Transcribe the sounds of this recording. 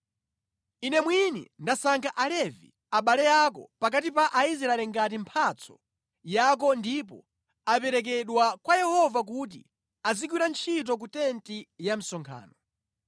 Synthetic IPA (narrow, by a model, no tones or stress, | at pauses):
inɛmwinḭndasaŋkʰaʔalɛvḭ | aɓalɛjakɔ̰pak̬at̬ipaʔais̬ɾaɛlɛŋɡat̬impʰat͡sʰɔ̥̰ | jak̬ɔndip̬ɔ̰ | apɛɾɛk̬ɛɗwakwajɛhɔvak̬ut̬i | azik̬wiɾant͡ʃʰit̬ɔk̬utɛntijam̩sɔŋkʰa̰ːnɔ